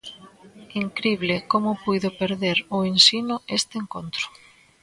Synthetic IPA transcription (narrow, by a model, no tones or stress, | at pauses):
iŋkɾiβlekomʊpujðʊpeɾðeɾʊensinʊest̪eeŋkont̪ɾʊ̥